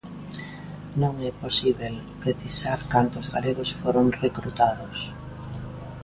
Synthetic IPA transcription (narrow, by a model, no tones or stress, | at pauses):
nõŋɛposiβel | pɾeθisaɾkant̪oːzɣaleɣosfoɾoŋrekɾut̪aðos